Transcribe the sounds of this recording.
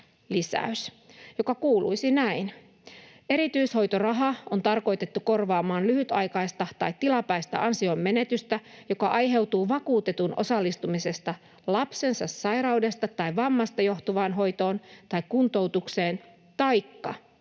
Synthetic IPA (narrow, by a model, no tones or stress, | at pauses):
lisæ̰ys | jo̞kɑkuːlṵisinæin | e̞ɾit̪yisho̞jt̪o̞rɑɦɑont̪ɑrko̞jt̪e̞t̪ːuko̞rʋɑːmɑːnlyhyt̪ɑjkɑjst̪ɑt̪ɑjt̪t̪ːilɑpæist̪ɑ̰ʔɑnsiomːe̞ne̞t̪yst̪æjo̞kɑʔɑjɦe̞wt̪uːʋɑkuːt̪e̞t̪unʔo̞̰sɑlːist̪umise̞st̪ɑ | lɑpse̞nsɑsːɑjɾɑwde̞st̪ɑt̪ːɑjʋɑmːɑst̪ɑjo̞xt̪oʋɑːnɦo̞jt̪o̞ːnt̪ɑikːunt̪o̞wt̪ukseːn | t̪ɑjkːɑ̰